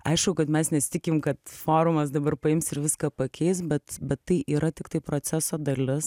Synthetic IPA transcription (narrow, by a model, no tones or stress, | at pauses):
ɐ̰ɪʃkʊkɐt̪mʲɛsnʲɛsʲt̪ʲɪkʲɪmkɐt̪foːɾʊmɐs̬d̪ɐbɐrpɐɪmsɪɾʋʲɪskɐːpɐkʲɛɪsbʲɛt̪bʲɛt̪ːɐɪʔiːɾɐt̪ʲɪkt̪ɐɪpɾoːt͡ssʲæsoːd̪ɐlʲɪs